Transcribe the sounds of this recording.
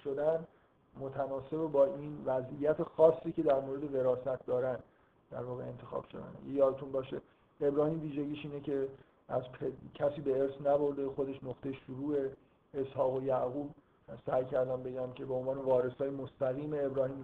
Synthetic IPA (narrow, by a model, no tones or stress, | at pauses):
ʃod̪æn | mo̞t̪ʰænɒːse̞bebɒːʔinvæzʔijæt̪ʰe̞xɒːsːiːce̞d̪æɾmoɾed̪e̞ɣe̞ɾɒːsæt̪̚ʰd̪ɒːɾæn | d̪̥æɾvɒːɣeent̪ʰe̞xɒ̰ːb̥ʃo̞̰d̪æ̰n̰jejɒːɾet̪ʰunbɒːʃḛ | e̞bɾɒːhiːmviːʒeɟiːʃiːnecʰe̞ | æzpʰecʰæsiːbe̞eɾsnæbo̞ɾd̪exo̞d̪e̞ʃnoχt̪e̞jeʃuɾuːe̞ː | shɒːɣo̞jæɣuːb | sæːjcʰæɾd̪æmbe̞ɟæmcʰe̞beonvɒːne̞vɒːɾe̞sɒːjemost̪æɣiːmeːbɾɒːhiːm